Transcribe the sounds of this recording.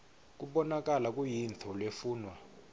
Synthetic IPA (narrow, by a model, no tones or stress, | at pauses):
k̬ʼuɓɔnak̬ʼalak̬ʼujintʰɔlwefuːnwa